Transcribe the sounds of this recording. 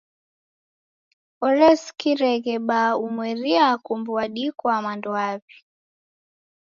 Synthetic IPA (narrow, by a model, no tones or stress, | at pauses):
ɔɾɛskiɾɛɣɛɓaumwɛɾiakumbuaɗikwamandɔaβi